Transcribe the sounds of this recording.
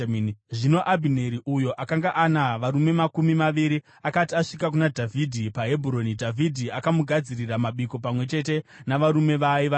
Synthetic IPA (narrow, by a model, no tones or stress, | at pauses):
ʐino̞ʔabʱineɾiʔujo̞ʔakaŋɡaʔanaʋaɾume̞makumimaʋiɾi | akatiaʂikak̬unadʱavʱidʱipaɦe̞bʱuɾo̞nidʱavʱidʱiakamuɡʱad͡ziriramaɓiko̞pamwe̞t͡ʃe̞te̞naʋaɾume̞ʋaiʋa